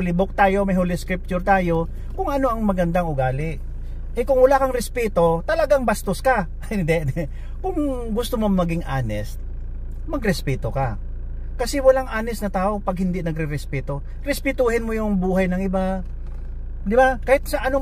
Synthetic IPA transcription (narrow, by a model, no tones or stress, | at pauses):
ʊlɪbok̚t̪aːjo̞mɐjɦolɪskɾɪp̚t͡ʃʊɾt̪aːjo̞ | kʊŋʔɐno̞ʔɐŋmɐɡɐnd̪aŋʔʊɡaːlɪʔ | ʔɛkʊŋwɐlakɐŋɾɛspɛt̪o̞t̪ɐlɐɡaŋbɐst̪oska | d̪ɛnɛ | kʊŋɡʊst̪omomɐɡɪŋʔaːnɛst̪̚ | mɐɡɾɛspɛːt̪o̞ka | kɐsɛwɐlaŋʔaːnɛsnɐt̪aːʔo̞pɐɡ̚hɪnd̪inɐɡɾɛɾɛspɛːt̪o̞ | ɾɛspɪt̪uhɪnmojʊŋbuːhɐjnɐŋʔɪba | d̪ɪbakɐhɪt̪̚sɐʔɐno